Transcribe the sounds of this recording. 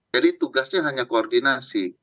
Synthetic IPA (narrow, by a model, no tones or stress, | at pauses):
adit̪uɡasɲaɦaɲakoɔrdinasi